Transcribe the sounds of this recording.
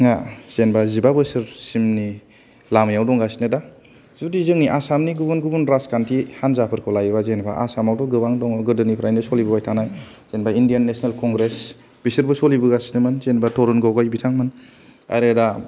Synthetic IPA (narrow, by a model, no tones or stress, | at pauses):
ŋaz̥enbazibabɯsɯɾsimni | lamjawdɔŋɡasi̥nɯda | zudizɯŋniʔasamniɡubunɡubunɾaskantʰihanzapʰɯɾkʰɯlajbazenba̰ʔa̰samawdɔɡɯbaŋdɔŋɡɯɾdɯnipʰɾajnɯsolibɯbajtʰanaj | z̥enbaindijanːesnelkɔŋɡɾes | b̥isɯɾbɯsolibɯɡasinɯmɯnzenbatʰɔɾunɡɔɡɔjbitʰaŋmɯn | a̰ɾeda